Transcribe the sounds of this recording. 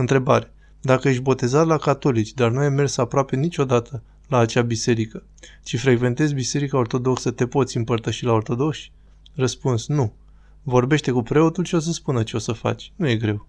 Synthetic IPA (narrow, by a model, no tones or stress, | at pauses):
ɨnt̪ɾe̞baɾe̞̥ | d̪akəje̞ʃ̬ʲbo̞t̪e̞zat̪lakat̪o̞lit͡ʃʲd̪arnuajmːe̞rsapɾoape̞nit͡ʃʲo̞d̪at̪ʰə | laːt͡ʃabise̞ɾikə | t͡ʃifɾe̞ɡve̞nt̪ezʲbise̞ɾikao̞rt̪o̞d̪o̞ksət̪e̞po̞t̪sʲɨmpərt̪əʃilao̞rt̪o̞d̪o̞kʃʲ | rəspunsnu | vo̞rbeʃt̪e̞kupɾe̞o̞t̪ulʃio̞s̬əspunət͡ʃe̞o̞səfa̰t͡ʃʲnuje̞ɡɾe̞w